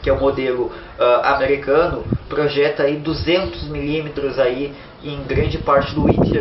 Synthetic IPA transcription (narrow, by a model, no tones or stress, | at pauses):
kɪɛʊmod̪elʊ | ɛa̰meɾikɐ̃nʊpɾoʒɛt̪ɐaid̪uzẽnt̪ʊzmilimet̪ɾʊzai | ẽj̃ɡɾɐ̃nd͡ʒɪpaɾt͡ʃɪd̪ʊit͡ʃ̪